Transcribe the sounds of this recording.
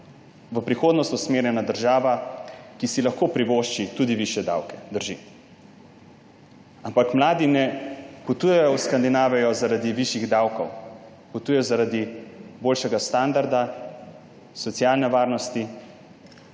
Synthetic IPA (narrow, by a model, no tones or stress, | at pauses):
ʋəpɾixoːd̪nɔst̪usmeːɾjɛnad̪əɾʒaːʋakisilaxkopɾiʋoːʃt͡ʃit̪ud̪iʋiʃjɛd̪a̰ːwkɛd̪əɾʒḭ | ampakmlaːd̪inɛput̪ujɛjɔwskand̪inaːʋɛjɔzaɾad̪iʋiʃiɣd̪awkɔw | put̪uːjɛjɔzaɾad̪iboːlʃɛɡast̪and̪aɾd̪a | sɔt̪sijalnɛʋaːɾnɔst̪i